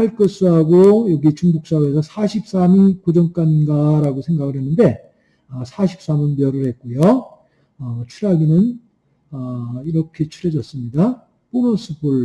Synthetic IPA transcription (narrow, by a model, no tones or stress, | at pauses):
hʰaɭk͈ɯs͈uɦaɡojʌɡit͡ɕuŋɡuk̚s͈awesʰʌsʰaɕʰip̚s͈amikod͡ʑʌŋk͈anɡaɾaɡosʰe̞ŋɡaɡɯɭɦe̞nːɯnde̞ | ʌsʰaɕʰi̥p̚s͈amɯnbjʌɾɯɭhe̞t̚k͈ujo | ʌt͡ɕʰuɾaɡinɯn | ʌiɾʌkʰe̞t͡ɕʰuɾe̞d͡ʑʌs͈ɯmɲida | p͈onʌs͈ʰɯbuɭ